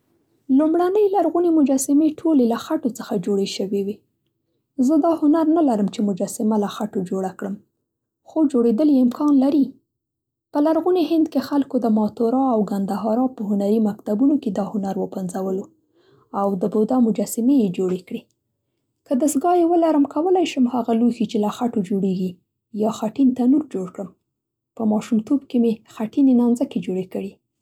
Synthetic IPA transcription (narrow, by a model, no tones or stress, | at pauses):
lumɽanəjlaɾɣunemʊd͡ʒɑsɪmeʈʰolelaxaʈot͡səxad͡ʒoɽeʃəwewe | zəd̪ɑhʊnaɾnalaɾəmt͡ʃemʊd͡ʒɑsɪmalaxaʈod͡ʒoɽakɽəm | xod͡ʒoɽed̪əljeɪmkʰɑnlaɾi | pəlaɾɣuneɦɪnd̪kexalkod̪əmɑt̪oɾɑawɡand̪aɦɑɾɑpəɦʊnaɾimakt̪abunoked̪ɑhʊnaɾwəpanzawəlo | awd̪əbod̪amʊd͡ʒasɪmejed͡ʒoɽekɽi | kəd̪əsɡɑjewəlaɾəmkʰawəlajʃəmhaɣaluxit͡ʃelaxaʈod͡ʒoɽeɡi | jɑxaʈint̪anuɾd͡ʒoɽkɽəm | pəmɑʃumt̪ʰobkemexaʈinenɑnzaked͡ʒoɽekəɽi